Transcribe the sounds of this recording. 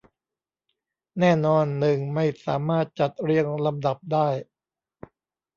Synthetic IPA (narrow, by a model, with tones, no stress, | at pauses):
nɛː˥˩nɔː˧nːɯ˨˩ŋma˥˩jsa̰ː˩˦maː˥˩t̪̚t͡ɕa˨˩t̪̚ɾi˧əŋla˧mda˨˩p̚daː˥˩j